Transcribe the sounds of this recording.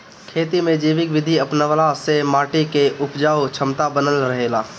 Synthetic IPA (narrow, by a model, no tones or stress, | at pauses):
kʰeːt̪imẽd͡ʒiːʋɪkʋɪd̪ʱiəpnəʋəlasemaːʈikeʔʊpd͡ʒaːot͡ʃʰəmt̪abənəlɾəɦeːlaː